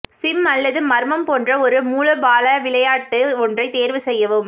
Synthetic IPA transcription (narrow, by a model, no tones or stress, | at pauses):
sɪmɐlːɐðɯmɐɾmɐmpoːndrɐɔɾɯmuːlɐbaːlɐʋɪɭɐjaːʈːɯɔndrɐɪt̪eːɾʋɯsɛjːɐʋɯm